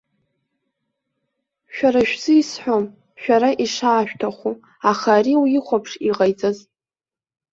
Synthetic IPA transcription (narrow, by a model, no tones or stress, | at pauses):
ʃᶣaɾaʃᶣz̥ɨisħʷom | ʃᶣaɾaʔiʂaːʃᶣtʰaχʷu | aχaɾiwjɪχʷapʰʂiʁajt͡sʼaz